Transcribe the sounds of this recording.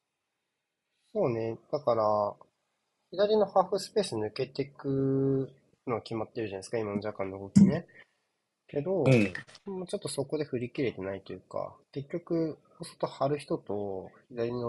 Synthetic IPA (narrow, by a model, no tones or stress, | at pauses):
so̞ːne̞d̪̥akaɾa | çid̪aɾʲino̞haːɸɯ̟sɨ̥pe̞ːsɨɲ̟ɯ̟ke̞t̪e̞kɯ̟ | no̞akʲimat̪ːeɾɯ̟ʑanaisɨ̥kaimannd͡ʑakãnːokokine | ke̞d̪o̞moːt͡ɕo̞t̪ːoso̞ko̞d̪e̞ɸɯ̟ɾʲikʲiɾe̞t̪e̞nait̪o̞jɯ̟ːka̰ke̞kʲːo̞kɯ̟ | oso̥t̪ohaɾɯ̟çi̥t̪o̞t̪o̞çid̪aɾʲino